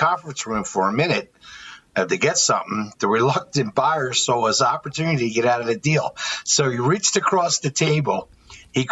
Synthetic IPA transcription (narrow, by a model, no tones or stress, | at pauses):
kʰɑ̃ɱfɹə̃nsɹũɱfə˞ɨmɪ̃nɨɾ̚ | ɨfðeɪɡɛtsʌ̰̃mθɪ̃ŋtɨɹɨlʌk̚tɨ̃nb̥aɪə̥˞soʊɪzɑpə˞tʰʉnɨɾiɾɨɡɛɾaʊɾʌvɨdilˠsoʊiɹit͡ʃtɨkʰɹ̥ɔsðɨtʰeɪbl̩ˠ | i